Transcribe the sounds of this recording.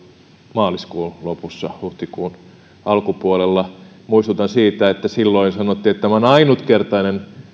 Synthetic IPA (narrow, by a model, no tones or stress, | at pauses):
mɑːliskuːlopusːɑhuht̪ikuːn | ɑlkupuolelːɑ | muist̪ut̪ɑnsiːt̪æet̪ːæsilːoinsɑnot̪ːiːet̪t̪æmæonɑinut̪kert̪ɑinen